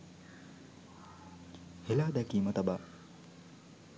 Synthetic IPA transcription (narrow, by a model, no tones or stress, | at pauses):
helad̪ɛkimɐt̪ɐba